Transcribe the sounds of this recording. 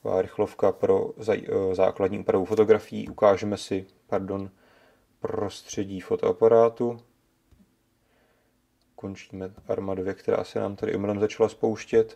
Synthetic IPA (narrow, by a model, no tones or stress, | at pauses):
va̰ːɾɪxlo̞fkapɾo̞̰zaza̰ːkladɲiːʔuːpɾavufo̞t̪o̞ɡɾafɪjḭːʔukaːʒɛmɛsɪ | paɾdo̞n | pɾo̞st̪r̝̥ɛɟiːfo̞t̪o̞ʔapaɾaːt̪u | ko̞nt͡ʃiːmɛʔaɾmadovjɛkt̪ɛɾa̰ːsɛna̰ːmt̪adɪ̰ʔomɪlɛmzat͡ʃalaspo̞wʃcɛt̪